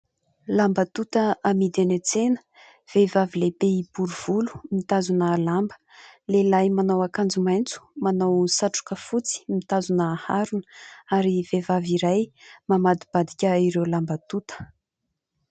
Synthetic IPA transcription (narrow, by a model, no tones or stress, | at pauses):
lambət̪ut̪əamid̪enet͡senə̥ | v̥evavilebeibuɾuv̥ulu̥mit̪azunəlambə̥ | lelajmanawakand͡zumajnt͡su̥manawsaʈ͡ʂu̥kəfut͡si̥mit̪azunəːhaɾunə̥aɾivevaviɾajmamad̪ib̥ad̪ikʲəiɾewlambət̪ut̪ə̥